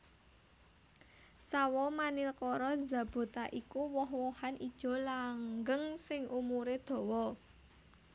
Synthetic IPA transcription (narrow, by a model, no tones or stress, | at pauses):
sawɔmanilkɔɾɔza̤b̥o̤t̪aʔikuwɔɦwɔhanid̥ʒ̥ɔ̤laŋɡəŋsɪŋʔumuɾed̪̥ɔ̤wɔ